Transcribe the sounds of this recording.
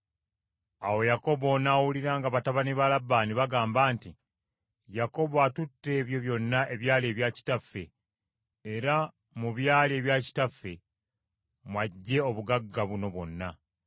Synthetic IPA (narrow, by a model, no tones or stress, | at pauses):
awo̞jako̞βo̞naːwuliɾaːŋɡaβataβaniβalabːaːniβaɡaːmbaːnti | jako̞βoatutːe̞ːβjo̞βjo̞nːaʔe̞βjaːleːβjaːci̥tafːe̞ː | ɾa | muβjaːlie̞ːβjaːci̥tafːe̞ | mwaɟːe̞o̞βuɡaɡːaβuno̞βwo̞nːa